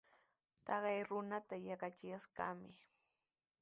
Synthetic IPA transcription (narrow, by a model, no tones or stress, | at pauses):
t̪ɑɢɑjɾʊnat̪ajakat͡ʃɪjaska̰mɪ